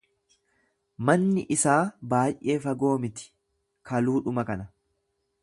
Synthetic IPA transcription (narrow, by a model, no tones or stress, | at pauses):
mɐnːɪʔɪsaːbaːjʔe̞ːfɐɡo̞ːmɪt̪ɪ̥ | kɐluːᶑʊmɐkɐnɐ